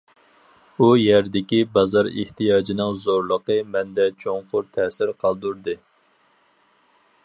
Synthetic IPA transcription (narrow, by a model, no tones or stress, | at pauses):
ujɛɾd̪ɪkʲibɑzɑɾḛht̪ijɑːd͡ʒinɨŋzoɾlˠəqəmɛnd̪ɛt͡ʃʰoŋqʊɾt̪ʰɛːsɪɾqʰɑlˠd̪uɾd̪ɨ